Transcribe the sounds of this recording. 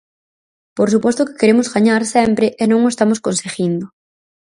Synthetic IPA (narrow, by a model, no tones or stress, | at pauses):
poɾsupɔst̪ʊkɪ̥keɾemozɣaɲaɾsɛmpɾɪʔenõŋoest̪amoskonseɣind̪ʊ